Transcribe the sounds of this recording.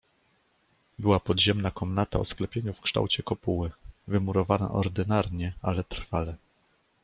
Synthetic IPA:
bɘwapɔd̪ʑɛmnakɔmnat̪a̰ɔsklɛpʲjeɲufkʂt̪a̰wt͡ɕɛkɔpuwɘvɘmuɾɔvana̰ʔɔɾd̪ɘnaɾɲɛalɛt̪ɾ̥falɛ

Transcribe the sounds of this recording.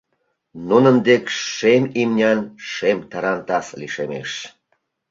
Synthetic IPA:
nunənd̪ekʃemimnʲɑnʃemt̪ɑɾɑnt̪ɑsliʃemḛʃ

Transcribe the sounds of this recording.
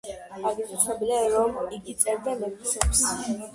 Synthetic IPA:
aɾɡist͡ʃʰɛbilɛɾɔmiɡit̪sʼɛɾd̪amɛkisɛps

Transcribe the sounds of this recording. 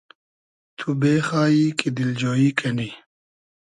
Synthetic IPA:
t̪ʰubeːxaːikid̪ild͡ʑoːikʰɐni

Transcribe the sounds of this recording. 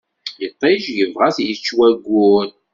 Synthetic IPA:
jət̪ˤːiʒjəvʁasjət͡ʃːwæɡʷːun

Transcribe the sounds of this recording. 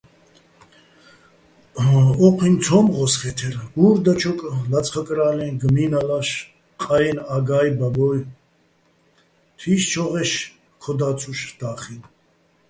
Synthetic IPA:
ɔqʰʼint͡sʰɔmʁɔsχɛt̪ʰɛɾuɾd̪at͡ʃʰɔkʼəlat͡sʼχəkʼɾaːlɛnɡəminalaʃ | qʼajɛnaɡajbabɔj | t̪ʰiʃt͡ʃʰɔʁɛʃ | kʰɔd̪at͡sʰuʃd̪̥aːχin

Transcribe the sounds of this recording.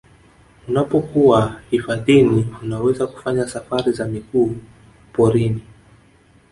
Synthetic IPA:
unapɔkuahifaðiniunawɛzaku̥faɲasafaɾizamikuː | pɔɾini

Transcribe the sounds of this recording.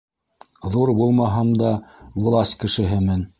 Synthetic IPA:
ðuɾbulˠmɑɦɑmd̪ɑwŭlˠɑsʲkɘ̆ʃɘ̆ɦɘmɘn

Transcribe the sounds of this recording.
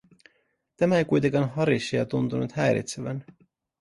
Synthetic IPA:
t̪æmæejkujt̪eŋkɑnɦɑɾiɕːijɑt̪unt̪unut̪hæjɾḭt̪seʋæn

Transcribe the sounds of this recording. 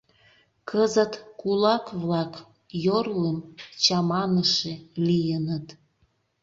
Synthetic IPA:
kʰəzət̪kulɑkβlɑk | jorlemt͡ɕɑmɑnəʃelijənət̪

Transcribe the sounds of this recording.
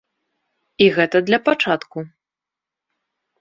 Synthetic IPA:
iɣɛt̪ɐd̪lʲɐpat͡ʂat̪ku

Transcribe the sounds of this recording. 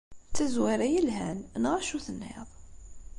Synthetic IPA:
t͡sːæzwæɾæjəlɦænnʁaʃuθənːɪ̰ðˤ

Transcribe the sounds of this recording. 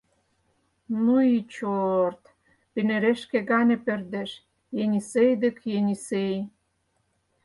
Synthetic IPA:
nuit͡ɕort̪ | pinĕɾeʃkĕɡɑnʲĕpĕrd̪eʃ | jenʲisejd̪ə̆kjenʲisej

